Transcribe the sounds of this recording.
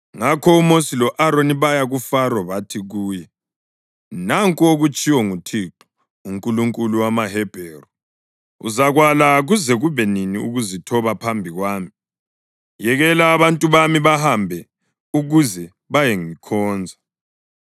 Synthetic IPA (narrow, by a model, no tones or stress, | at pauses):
ŋakʰɔumosilɔʔaɾoniβajaɣufaɾɔβatʰiɣuːjɛ | naŋkʼuoɣut͡ʃʼiwɔŋutʰiǁɔ̥ | uŋkʼuluŋkʼuluwamaɦɛb̥ʱɛrɔ | ṵzaɣwalaɣuzɛɣuβɛniniṵɣuzitʰɔβapʰambʱiɣwaːmi | jɛɣɛlaːβantʼuβamiβahambʱɛ | uɣuzɛ | βajɛŋikʰɔːnd͡zʱa